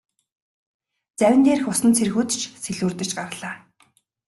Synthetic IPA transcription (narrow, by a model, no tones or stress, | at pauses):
t͡sæwʲɪ̆nt̪eːrxʊsə̆nt͡sʰer̆xuːt̪t͡ɕʰseɮuːrt̪ɘ̆t͡ɕɢaɾə̆ɮaː